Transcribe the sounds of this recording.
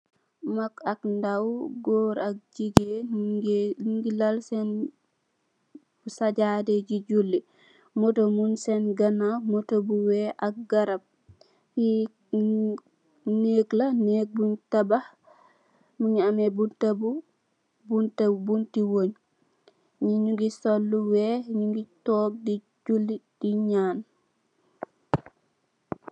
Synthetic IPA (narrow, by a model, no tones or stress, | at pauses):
makakndawɡɔɾak̚d͡ʒiɡeɡɡilalsɛn | busad͡ʒadɛɟid͡ʒulːi | mɔtomunsɛnɡanamɔtobuwɛʔak̚ɡaɾab̚ | ji | neːklaneːk̚buɲtabah | muɲamebuntabu | buntaubuntiwoɲ | ɲiɲuŋɡisolːuwɛɲuŋɡitɔːk̚di | d͡ʒulːid̥iɲaːn